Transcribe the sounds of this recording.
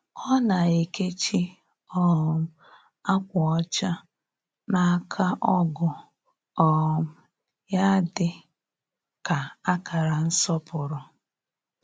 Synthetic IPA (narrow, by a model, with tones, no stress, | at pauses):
ɔ˦na˨i˨ke˦t͡ʃi˦ | ɔ˦˨m̩˦ | a˦kʷʊ˨ɔ˦t͡ʃa˦ | na˨˦kʰa˦ʔɔ˦ɡʊ˨ | ɔ˨m̩˨ | ja˦dɪ˨ | ka˨a˦ka˨ɾa˨n̩˦sɔ˦pʊ˨ɾʊ˨